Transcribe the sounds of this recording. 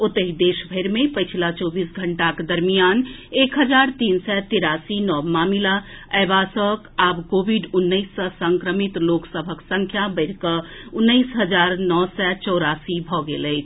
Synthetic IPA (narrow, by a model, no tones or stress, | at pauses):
ot̪əɦid̪esbʱəɾmepəjt͡ʃʰilat͡ʃɔbisɡʱəɳʈakd̪əɾmijanekɦəd͡ʒaɾt̪insɛt̪iɾasinɔmamilaəbasəkabkobʱiɖunːəɪsːə̃səŋkɾəmit̪loksəbʱəksə̃ŋkʰjabəɪɾkəunːəɪsɦəd͡ʒaɾnɔsɛt͡ʃɔwɾasibʱɔɡḛləɪt͡ʃʰ